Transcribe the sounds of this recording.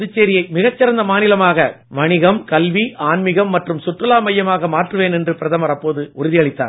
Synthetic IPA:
ɐðɯt͡ʃːeːɾɪjɐɪmɪɣɐt͡ʃːɪɾɐnd̪ɐmaːnɪlɐmaːɣɐ | ʋɐɳɪɣɐmkɐlʋiʔaːnmɪɣɐmːɐʈrɯmsʊʈrɐlaːmɐjːɐmaːɣɐmaːʈrɯʋeːnɛndrɯpɪɾɐðɐmɐɾɐpːoːðɯʔʊɾɪðɪjɐɭɪt̪ːa̰ː

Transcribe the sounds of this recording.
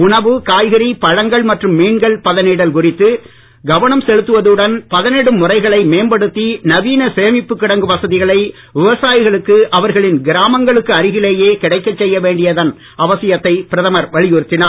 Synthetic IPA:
ʊɳɐʋɯkaːjɣɐɾipɐɻɐŋɡɐɭmɐʈrɯmːiːɳɡɐɭpɐðɐnɪɽɐlkʊrɪt̪ːɯ | ɡɐʋɐnɐmsɛɻɯt̪ːɯʋɐðɯɽɐnpɐðɐnɛɽɯmːʊrɐɪɣɐɭɐɪmeːmbɐɽɯt̪ːinɐʋiːnɐsɛjɐmɪpːɯkːɪɽɐŋɡɯpɐsɐðɪɣɐɭɐɪ | ʋɪʋɐsaːjɣɐɭɯkːɯʔɐʋɐɾɣɐɭɪnɡɪɾaːmɐŋɡɐɭɯkːɯɐɾɪɣɪleːjeːkɪɽɐɪkːɐt͡ʃːɛjːɐʋeːɳɖɪjɐðɐn | ʔɐʋɐsɪjɐt̪ːɐɪpɪɾɐðɐmɐɾʋɐɭɪjɯɾɯt̪ːɪnaːɾ

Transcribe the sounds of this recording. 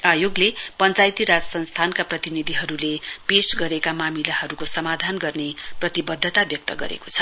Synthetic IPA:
ajoɡlepʌnt͡sajt̪iɾad͡zʌsʌnst̪ʰankaprʌt̪inid̪ʱiɦʌɾulepesɡʌɾekamamilahʌɾukosʌmad̪ʱanɡʌrneprʌt̪ibʌd̪ʱːʌt̪abjʌk̚t̪ʌɡʌ̰ɾḛko̥t͡sʰʌ̥

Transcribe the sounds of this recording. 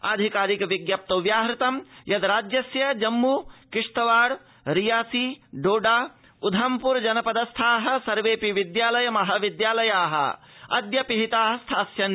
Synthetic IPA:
ɐ̰d̪ʱikaːɾikɐʋiɡjɐp̚t̪oʋjaːɦɾɪt̪ɐmjɐd̪ɾaːd͡ʒjɐsjɐd͡ʒɐmːukɪʂʈ̪ɐʋaːɽ | ɾijaːsiɖoːɖaː | ud̪ʱɐmpuɾd͡ʒɐnɐpɐd̪ɐst̪ʰaːɦɐ̆sɐɾʋeːpiʋid̪jaːlɐjɐmɐɦɐ̆ʋid̪jaːlɐjaːɦɐ̰ɐ̰d̪jɐpiɦit̪aːɦɐ̆st̪ʰaːsjɐn

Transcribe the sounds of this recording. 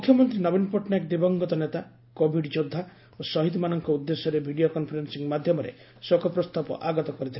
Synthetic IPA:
mukʰjɔmɔnt̪ɾinɔbinpɔʈnɔekd̪ibɔŋɡɔt̪ɔnet̪a | kobʱiɖd͡ʒod̪ʱːa | osɔɦit̪manɔŋkɔud̪ːesjɔɾebʱiɽiokɔnpʰɔɾensiŋmad̪ʱjɔmɔɾḛ | sokʰɔpɾɔst̪apɔ̰ʔaɡɔt̪ɔkɔɾit̪ʰile

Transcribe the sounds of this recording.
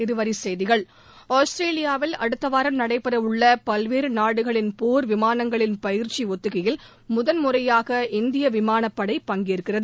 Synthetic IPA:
ɪɾɯʋɐɾisɛjðɪɣɐɭ | oːsʈɾeːlɪjaːʋɪlɐɽɯt̪ːɐʋaːɾɐmnɐɽɐɪpːɐɾɐɯɭːɐpɐlʋeːɾɯnaːɽɯɣɐɭɪnpoːɾʋɪmaːnɐŋɡɐɭɪnpɐjɪɾt͡ʃiɔt̪ːɯɣɐjɪl | mʊðɐnmʊrɐjaːɣɐɪnd̪ɪjɐʋɪmaːnɐpːɐɽɐɪpːɐŋɡɪjɾɯkːɪrɐðɯ

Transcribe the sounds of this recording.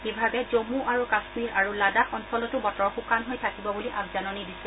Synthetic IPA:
bibʱabɛzomuʔaɹukasmiɹaɹuladaxɔnsɔlɔtʊbɔtɔɹxukanɦojtʰakibɔbuliʔabzanɔnidisɛ

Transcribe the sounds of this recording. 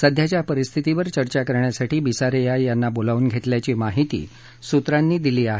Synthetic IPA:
səd̪ʱjat͡ɕjapəɾist̪ʰit̪iʋəɾt͡ɕəɾt͡ɕakəɾɳjasaʈʰiːbisaɾejajanːabolaʋuːnɡʱet̪ljat͡ɕiːmaɦit̪ḭː | sut̪ɾanːiːd̪iliːaɦe

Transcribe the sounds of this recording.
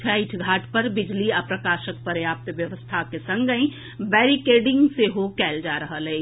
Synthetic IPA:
t͡ʃʰaɪʈʰɡʱaːʈʰpɐɾbɪd͡ʒliɐpɾəkaːʃək̚pəɾjaːp̚t̪ʋjɐʋəst̪ʰakesɐ̃ŋɡəĩ | bɛːɾikeːɖɪ̃ŋɡseɦokɛːld͡ʒaːɾɐɦəle

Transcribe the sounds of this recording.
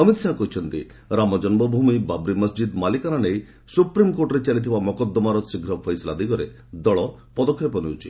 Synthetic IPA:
əmit̪sakɔɦit͡ʃʰɔnt̪ḭ | ɾamɔd͡ʒɔnbɔbʱumibabɾiməsd͡ʒid̪malikaɾanej | supɾimkoɾʈɔɾet͡ʃalit̪ʰibamɔkɔd̪ːɔmaɾɔsiɡʱɾɔpʰɔjslad̪iɡɔɾe | d̪ɔɭɔpɔd̪ɔkʰːjɔpɔniut͡ʃʰi̥

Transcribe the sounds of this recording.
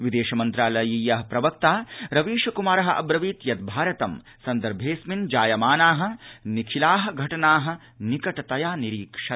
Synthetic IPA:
ʋid̪eːʃɐmɐnt̪ɾaːlɐjijɐɦɐpɾɐʋɐk̚t̪aːɾɐʋiːʃɐkumaːɾɐɦɐ̆ʔɐ̰bɾɐʋiːt̪jɐt̪̚bʱaːɾɐt̪ɐm | sɐnd̪ɐɾbʱeːsmind͡ʒaːjɐmaːnaːɦɐ̆nikʰilaːɦɐ̆ɡʱɐʈɐnaːɦɐ̆ | nikɐʈɐt̪ɐjaːniɾiːkʂɐ

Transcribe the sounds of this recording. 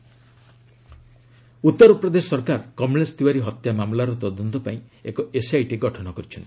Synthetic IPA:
ut̪ːɔɾɔpɾɔd̪esɔɾkaɾkɔmlesd̪iwaɾiɦɔt̪jamamlaɾɔt̪ɔd̪ɔnt̪ɔpaĩekɔesajʈeɡɔʈʰɔɽɔkɔɾit͡ʃʰɔnt̪i

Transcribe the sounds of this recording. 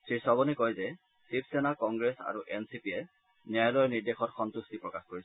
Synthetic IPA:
sʰɹisɔbɔnɛkojzɛ | sip̚ʰsɛnakɔŋɡɹesa̰ɹuʔɛnsipiɛ | niajlɔjniɹdexɔtxɔnt̪ustipɹɔkaxkoɹis

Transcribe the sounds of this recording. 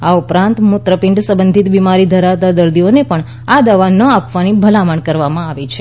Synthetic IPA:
aupɾãnt̪mʊt̪ɾəpɪ̃ɳɖsə̃bənd̪ʱit̪bimaɾid̪ʱəɾaʋt̪ad̪əɾd̪ionepəɳ | ad̪aʋanəapʋanibʱəlamaɳkəɾʋamãaʋet͡ʃʰe

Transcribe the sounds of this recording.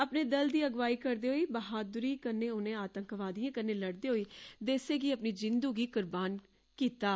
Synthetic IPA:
əpneːd̪əld̪iːəɡʋaːiːkəɾd̪eːɦoːiːbəɦaːd̪ʊɾiːkənːeːʊnẽːaːt̪ə̃ŋkʋaːd̪ijãːkənːeːləɽd̪eːɦoːiːd̪eːseːɡiːəpniːd͡ʒɪnd̪uːɡiːkʊɾbaːn | kiːt̪aː

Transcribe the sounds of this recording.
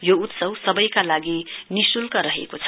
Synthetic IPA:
jout̪sʌwsʌbʌjkalaɡinisulkaɾʌɦḛkot͡sʰʌ̥

